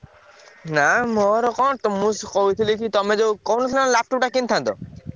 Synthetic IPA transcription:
namoɾɔkɔt̪ɔmuskoit̪ʰilikʰit̪ɔmed͡ʒowkɔwnɔslanlap̚ʈɔp̚ʈakint̪ʰant̪ɔ̰

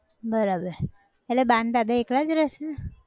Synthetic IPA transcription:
bəɾabəɾ | elebãnd̪d̪ad̪aekɽad͡ʒɾɛʃe

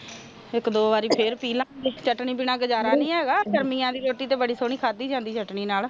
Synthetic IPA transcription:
ɪkd̪oːʋaːɾiːpʰɪɾpiːlãːet͡ʃəʈɳiːp̬iːnãːɡəd͡ʒaːɾaːnĩːɛːɡaːkəɾmiːãːd̪iːɾoːʈiːt̪eːbəɽiːsoːɳiːkʰaːd̪iːd͡ʒãːnd̪iːt͡ʃəʈɳiːnaːl

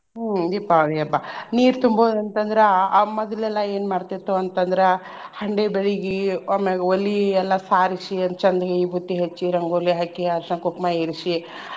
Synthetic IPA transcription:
d̪ipːaʋiɐbaniːɾt̪umboːd̪ɐnt̪ɐnd̪ɾeamɔd̪ɐlɛlːɐeːnmaːɽt̪it̪ːuɐnt̪ɐnd̪ɾe | hɐɳɖebeɭiɡiaːmeɡeolːiɛlːɐsaːɾisiɐnt͡ʃɐnd̪ɐɡeiːbʱut̪ːiɦet͡ʃːiɾɐŋɡolːiɦaːkːiɐɾʂakopmaːjiɾiʃi

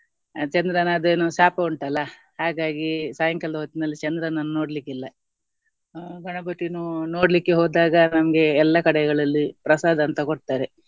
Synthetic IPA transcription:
t͡ʃɐnd̪ɾɐnɐːd̪eːnusaːpɐuɳʈɐlːɐ | haːɡaːɡisaːjɐŋkɐld̪ɐɦot̪ːinɐlːit͡ʃɐnd̪ɾɐnɐnːuno̞ːɽlikːilːɐ | ɡɐɳɐbɐʈːinuno̞ːɽlikːe̞ɦoːd̪aːɡɐnɐmɐɡe̞ɛlːɐkɐɽɛɡɐɭɐlːipɾɐsaːd̪ɐːnt̪ɐkoɽt̪aːɾe̞

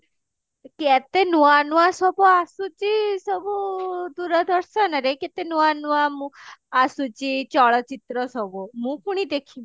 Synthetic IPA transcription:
kɛt̪enuanuasɔbɔasut͡ɕisɔbud̪uɾad̪ʱəɾsənaɾeket̪enuanuamũasut͡ɕit͡ɕɔɭɔt͡ɕit̪ɾəsɔbomũkuɽ̃id̪ekʰi

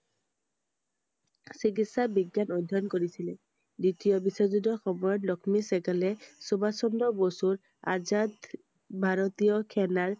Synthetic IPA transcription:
sikitsabiɡjanɔd̪ʱːɔnkoɹisilɛ | ditijɔbisɔzudɔxɔmɔjɔtlɔkʰmisɛkalɛsubasɔndɔbosuɹ | a̰zad̪ | bʱaɹɔt̪ijɔkʰɛnaɹ

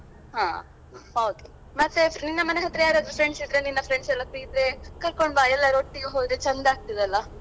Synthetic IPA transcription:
ɦaː | oːke | mɐt̪ːeninːɐmɐneɦɐt̪ːɾɐjaːɾoːd̪ɾifʰɾeɳɖsid̪ɾeninːɐfʰɾeɳɖsɛlːɐkɾiɡid̪ɾekɐɾkoɳbaːɛlːɐɾoʈːiɡeɦoːd̪ɾet͡ʃɐnd̪aːɡ̚t̪id̪ɐlːɐ

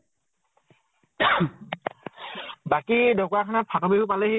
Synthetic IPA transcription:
bakidɔkakʰanapʰatɔbehupalɛhe

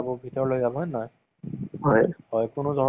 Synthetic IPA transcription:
abɔbʱitɔɹlojzabɦɔjnɔj | ɦɔjhɔjkʊnʊzʱɔ

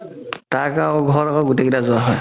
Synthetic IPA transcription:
taɹkaw̃ɡʱɔɹɔkɔɡutekitazʊwaɦɔj

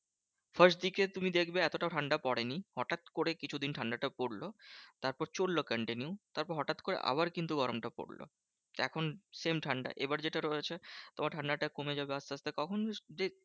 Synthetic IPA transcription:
fəɾsʈd̪iket̪umid̪ekʰbeɛt̪oʈaʈʰaɳɖapɔɽenihɔʈat̪koɾekit͡ɕʰud̪inʈʰaɳɖaʈapoɽlot̪aɾpɔɾt͡ɕolːokəɳʈiniut̪aɾpɔɾɦɔʈat̪koɾḛʔa̰baɾkint̪uɡɔɾomʈapo̰ɽlo̰ | ɛ̰kʰonsemʈʰaɳɖa̰ʔebaɾd͡ʑeʈaɾoet͡ɕʰet̪omaɾʈʰaɳɖaʈakomed͡ʑabeast̪ast̪ekɔkʰond͡ʑe

